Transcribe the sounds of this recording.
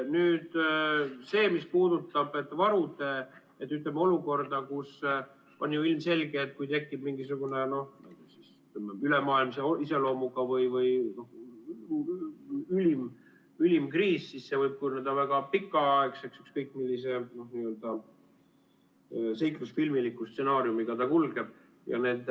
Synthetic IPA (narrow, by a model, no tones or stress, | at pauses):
nyːd̪̥ | se̞ːmispuːd̪̥ut̪ːˑɑb̥e̞t̪ːˑvɑɾut̪ˑe̞ | et̪ːˑyt̪̬lemeo̞luko̞rd̪ɑkus | o̞njuilmse̞lʲɡeːt̪̚ːkujt̪e̞kːˑib̥miŋɡisuɡ̥une̞no̞hsisyt̪lemːeylemɑːilmɑseoise̞lo̞ːmuɡ̥ɑvɤjvɯjno̞h | ylʲim | ylʲimkriːssisse̞vɤjb̥̚kulnæd̪ɑvæɡ̥ɑpikːˑɑɑekseksy̥kskɤjkːˑmilʲːiseno̞hniːøld̪̥ɑ | se̞jklusfilmilikːˑust̪se̞nɑːɾjumiɡ̥ɑt̪ɑkulɡ̥e̞b̥̚ | jɑ̰ne̞ːd̪̥